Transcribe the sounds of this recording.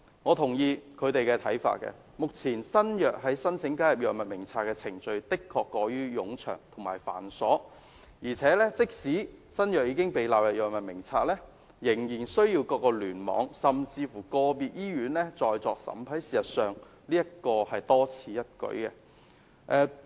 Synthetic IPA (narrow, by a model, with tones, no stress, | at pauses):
ŋɔː˨˧t̪ʰʊ˨˩ŋjiː˧kʰɵ˨˧t̪e˨jkɛ˧t̪ʰɐ̰˨˥jfa̰ː˧t̚kɛ̰˧ | mʊ˨k̚t͡sʰiː˨˩nsɐ˥njœː˨k̚ɦɐ˨˥jsɐ˥nt͡sʰɪ˨˥ŋkaː˥jɐ˨p̚jœː˨k̚mɐ˨t̚mɪ˨˩ŋt͡sʰaː˧t̚kɛː˧t͡sʰɪ˨˩ŋt͡sɵ˧ɥt̪ɪ˥kʰːɔː˧kːɔː˨˧jyː˥jʊ˨˥ŋt͡ʃʰœ̰ː˨˩ŋt̪ʰʊ˨˩ŋmaː˨˩jfa̰ː˨˩nsɔː˨˥ | jiː˨˩t͡sʰɛː˨˥lɛː˥t͡sɪ˥k̚siː˨˥sɐ˥njœː˨k̚jiː˨˧˥kɪ˥ŋpe˨jlaː˨pwjɐ˨jœː˨k̚mɐ˨t̚mɪ˨˩ŋt͡sʰaː˧t̚lɛː˥ | jɪ˨˩ŋjiː˨˩nsɵ˥ɥjiː˧wkɔː˧kːɔː˧lyː˨˩nmɔ̰ː˨˧˥ŋsɐ˨mt͡siː˧fu˨˩kɔː˧piː˨˧t̚jiː˥ɥyː˨˥nlɛ˥t͡sɔː˨˧jt͡sɔː˨˧k̚sɐ̰˨˥mpʰɐ˨˥jsiː˨sɐ˨t̚sœː˨ŋ | liː˥jɐ˥t̚kɔː˧hɐ˨jt̪ɔː˥t͡sʰiː˧jɐ˥t̚kɵ̰˨˥ɥkɛ̰˧ | ʔɛː˨˧